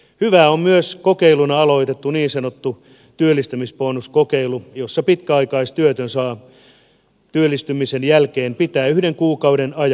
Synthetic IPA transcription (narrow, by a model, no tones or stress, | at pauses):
hyʋæːommyøskokeilunɑɑlo̞it̪et̪ːuniːnsɑnot̪ːu | t̪yølːˑist̪ymisponːuskokeilujosːɑpit̪kæɑikɑist̪yøt̪ønsɑː | t̪yølːˑist̪ymisenjælkeːmpit̪æːyhdeŋkuːkɑwdenɑjɑ